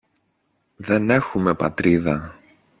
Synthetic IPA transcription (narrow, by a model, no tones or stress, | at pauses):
ðe̞ne̞xume̞pɐ̰t̪ɾiðɐ